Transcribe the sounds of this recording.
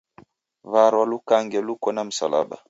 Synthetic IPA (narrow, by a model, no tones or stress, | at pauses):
vaɾwalukaŋɡɛlukɔnam̩sa̰la̰ɓa̰